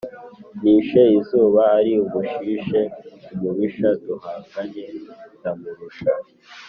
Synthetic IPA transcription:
niːʃeizuːβaːɾiuβuʃiʃeumuβiʃaduhakaɲetamuɾuʃa

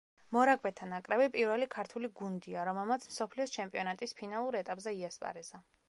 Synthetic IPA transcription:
mɔɾakʰʼvɛt̪ʰanakʼɾɛbipʼiɾwɛlikʰaɾt̪ʰuliɡund̪iaɾɔmɛlˠmat̪sʰmsɔpʰliɔst͡ʃʰɛmpʼiɔnat̪ʼispʰinalˠuɾɛt̪ʼapʼzɛiaspʼa̰ɾɛza

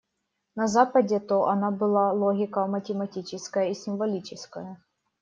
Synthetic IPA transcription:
nɐzapɐdʲet̪oʔɐnabɨlˠalˠoɦʲɪkɐmɐtʲɪmɐtʲit͡ɕɪskɐjəisʲɪmvɐlʲit͡ɕɪskɐjɐ

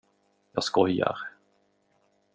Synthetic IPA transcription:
jɑːskɔja̰ɾ

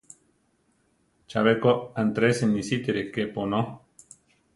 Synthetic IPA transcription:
t͡ʃaβekoant̪ɾesenisit̪iɾekepono

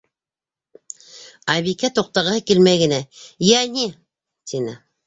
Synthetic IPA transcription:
ɑβikæt̪oq̚t̪ɑʁɑkelmæɡɘ̆næjæni | t̪ʰinɪ

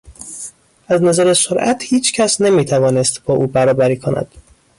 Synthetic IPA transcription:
ʔæznæzæɾesoɾʔæt̪hiːt͡ʃʰcʰæsne̞miːt̪ʰævɒːne̞st̪bɒːʔuːbæɾɒːbæɾiːkʰo̞næ̰d̪̥

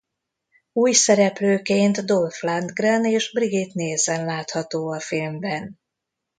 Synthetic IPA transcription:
uːjsɛɾɛpløːkeːnt̪d̪olfland̪ɡraneːʒbriɡit̪neːzɛnlaːt̪hɒt̪oːɒfilmbɛn

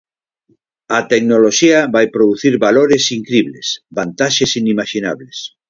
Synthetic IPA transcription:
at̪eknoloʃiaβajpɾoðuθiɾβaloɾesiŋkɾiβlḛsbant̪aʃesinimaʃina̰βles

